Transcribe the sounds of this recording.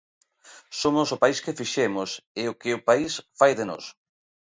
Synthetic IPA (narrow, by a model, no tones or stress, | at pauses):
somʊsʊpaiskefiʃɛmʊseʊkɪʊpaisfajðɪno̰s